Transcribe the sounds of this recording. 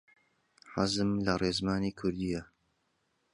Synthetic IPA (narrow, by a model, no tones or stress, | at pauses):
ħazɨmlɐreːzmaːniːkʰʊɾd̪ijɐ